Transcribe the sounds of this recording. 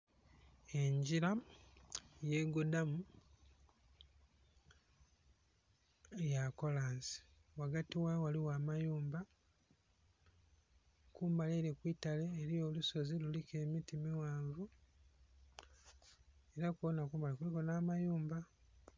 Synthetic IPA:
e̞ɲɟiɾa | je̞ɡudamu | jako̞laːnsi̥waɡatiwawaliwaːmajuːmba | kuːmbaleɾekwiːtale̞ːɾijo̞ːluso̞zilulike̞mitimiwaːɱvu | eɾakwonakuːmbalekuikonaːmajuːmba

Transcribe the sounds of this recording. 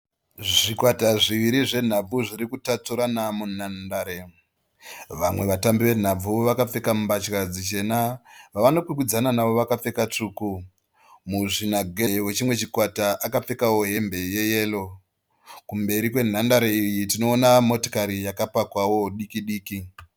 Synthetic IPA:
ʐikwataʐiʋiɾiʐe̞n̤ab͡vuʐirikutat͡suɾanamunandaːɾe | ʋamwe̞ʋatambiʋe̞n̤ab͡vuʋakap͡fe̞kamumbat͡ʃkad͡zit͡ʃe̞naʋaʋano̞kwikwid͡zananaʋo̞ʋakap͡fe̞kat͡ʂuːku | muʐinaɡʱe̞we̞t͡ʃimwe̞t͡ʃikwataʔakap͡fe̞kawo̞ɦe̞mbe̞je̞je̞ːlo̞ | kumbe̞ɾikwe̞n̤andaɾeijitino̞ːnamo̞to̥kaɾijakapakwawo̞ɗikiɗiːki

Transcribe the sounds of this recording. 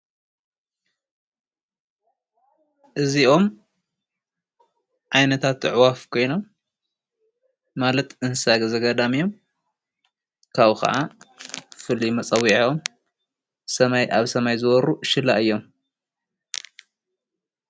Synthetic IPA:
ʔɨzio̞m | ʕajnɐt̪ʰat̪ʕwafkʰo̞jno̞m | alɐt̪ɨnsaɡzɐɡɐd̪amijo̞m | kʰaβkɐ̰ʕa | fɨlimɐt͡sʼɐwiʕom | sɐmajʔaβsɐmajzɨwɔɾuʃɨlːa̰ʔɨjːo̞m

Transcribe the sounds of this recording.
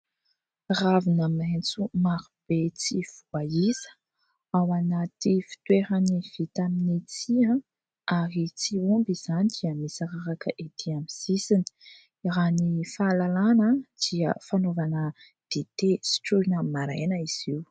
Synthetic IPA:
ravinament͡sumaɾub̥et͡siv̥uaizə̥ | awanat̪ifi̥t̪weɾaniv̥it̪aminit͡siã | aɾit͡siumbiz̥anid̪̥iəmisaɾaɾakəʔed̪ʰiamizisini̥ | iɾanifalalanəd̪̥iə̰fanovanə | d̪̥et̪esi̥ʈ͡ʂuinamaɾajnəiz̥iw

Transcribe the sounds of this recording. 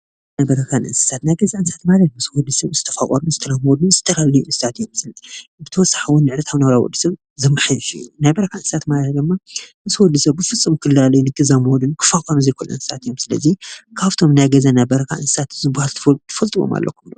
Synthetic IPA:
najbɐɾɐkʰanʔɨ̰nsɨ̥sat̪najɡɐzaɨnsat̪malɐt̪mɨswɔd̪ːɨsɐβzɨt̪ʰɐfakʼoɾuzɨt̪ʰɐlamɔd̪uz̥ɨt̪ʰɐlalijuʔɨnsɨsat̪jomsɨlbɨt̪ʰɐwɔsːḁħɨwʊnːɨʕɾɐt̪ʰaβnɐβɾawɔ̰d̪ːɨsɐβ | zɐmːɨħɨjʃṵnajbɐɾɐkʰaʔɨnsɨsat̪malɐt̪̚d̪ɨmːamɨsɨwɔd̪ːɨsɐβːɨfɨt͡sʼːɨmkʰɨlːalɐjnɨtk̪ʰɨzamwɔd̪unkʰɨ̥fakʼoɾuzejkʰolɐ̰nsɨ̥sat̪jo̞msɨlɐ̰zikʰaβt̪ʰo̞mnajɡɐzanajbɐɾɐkʰaʔɨnsɨ̥sat̪zɨbahalt̪ʰt̪ʰɨ̥fɐlt̪ʼɨβo̰ma̰lːɐ̰kʰumn

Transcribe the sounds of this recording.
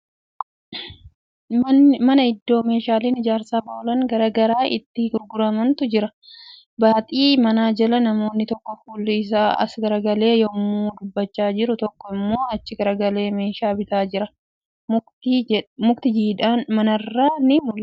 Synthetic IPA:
mɐnɐɪd̪ːo̞ːme̞ːʃaːleːnɪd͡ʒaːɾsaːbɐʔɔlɐŋɡɐɾɐɡɐɾaːʔɪ̰t̪ːɪɡʊɾɡʊɾɐmɐnt̪ʊd͡ʒɪɾɐ | baːt̪ʼiːmɐnaːd͡ʒɐlɐnɐmo̞ːnːɪt̪ɔkːɔfuːlːɪɪs̬aːɐ̰sɡɐɾɐɡɐle̞ːjɔmːuːd̪ʊbːɐt͡ʃːaːd͡ʒɪɾʊt̪ɔkːɔɪmːo̞ːɐt͡ʃːɪɡɐɾɐɡɐle̞ːme̞ːʃaːbɪt̪aːd͡ʒɪɾɐ | mʊkt̪ɪd͡ʒiːᶑaːnmɐnɐrːaːnɪmʊlː

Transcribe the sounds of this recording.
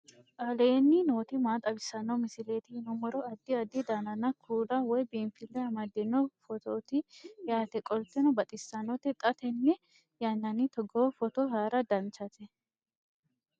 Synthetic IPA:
ʔaːlɛjɛnːɪnoːt̪ɪmaːt̪ʼɐbɪsːɐnːɐmɪsɪleːt̪ɪɪnʊmɔɾɔɐd̪ːɪɐd̪ːɪd̪aːnɐnːɐkʰuːd̪ɐwɔjbiːnfɪlːɛɐmad̪ːɛnːɔfɔt̪oːt̪ɪjaːt̪ɛkʼɔlt̪ːɛnɔbɐt̪ʼɪsːɐnːɔt̪ɛt̪ʼɐt̪ɛnːɛ | jɐnːɐnɪt̪ɔɡɔwfɔt̪ɔɦaːɾɐd̪ɐnt͡ʃːɐt̪ɛ

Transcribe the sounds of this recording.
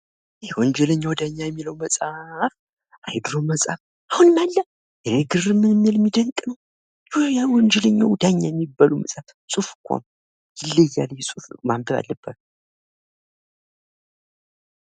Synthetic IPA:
jɛwɔɲd͡ʒɛləɲːawd̪aɲːajɛmːiləwməsʼaf | ʔajd̪ɨɾoməsʼa̰f | ahunmalːə | jɛeɡɨrɨmːɨnɨmːɨlmːid̪əŋkʼnəw | jjawɔɲd͡ʒɛləɲːawd̪aɲːajɛmːibːaluməsʼaf | sʼufkʷʰa̰m | jɪlːɨjːaljɛsʼufmambəβa̰lːəb̥ːət̪

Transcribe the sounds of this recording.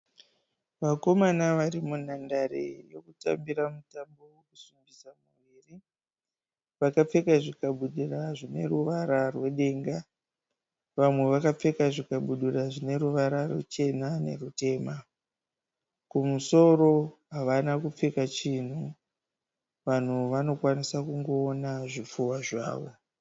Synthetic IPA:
ʋako̞manaʋaɾimun̤andarḛjo̞kuta̰mbiɾamutambo̞wokusumbisamuʋiːri | ʋakap͡fe̞kaʐikaɓuɗiraʐine̞̰ruʋaɾarwe̞ɗe̞ːŋɡa | ʋamwe̞ʋakap͡fe̞kaʐikaɓuɗiraʐine̞ɾuʋaɾarwḛt͡ʃe̞nane̞̰rute̞ːma | kumuso̞ro̞ɦaʋanakup͡fekat͡ʃin̤u | ʋan̤uʋano̞kwanisakuŋɡo̞ːnaʐip͡fuwaʐa̰ːʋo̞̰

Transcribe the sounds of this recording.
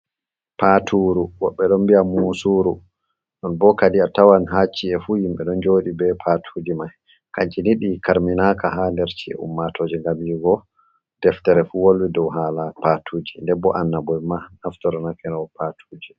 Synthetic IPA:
patʰuɾuwɔɓːɛɗɔmbiamusuɾu | ɗɔnbɔkadiatawanɦat͡ʃːiɛfujimɓɛɗɔnd͡ʒoːɗibɛpʰatʰud͡ʒimaj | kaɲt͡ʃiniɗikaɾminakahandɛɾt͡ʃiɛ̰ṵmːatʰoːd͡ʒiŋɡabiɡɔ | d̥ɛftɛɾɛfuwolwidɔwɦaːlapatʰuːd͡ʒindɛbːɔ̰ʔanːabɔjmanaftɔɾɔnakɛnawɔpʰatʰud͡ʒi

